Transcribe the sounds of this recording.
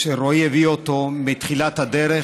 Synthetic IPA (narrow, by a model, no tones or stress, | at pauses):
ʃeɾojeviot̪omit̪χilat̪had̪eɾe